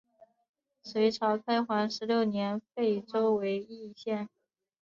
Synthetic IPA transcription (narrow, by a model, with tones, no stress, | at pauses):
swe˧˥ɪʈ͡ʂʰɑ˧˥ʊkʰa˥ɪxwa˧˥nʂɻ̩˧˥ljo˥˩ʊnjɛ˧˥nfe˥˩ɪʈ͡ʂo˥ʊwe˧˥ɪi˥˧ɕjɛ˥˩n